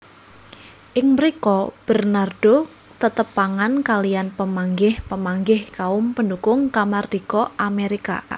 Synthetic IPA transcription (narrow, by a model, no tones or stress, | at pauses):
ʔɪŋməɾikɔb̥ərnard̥o | t̪ət̪əpːaŋankalijanpəmaŋɡɪhpəmaŋɡɪhkaʊmpəndukʊŋkamard̥ikɔʔameɾika̰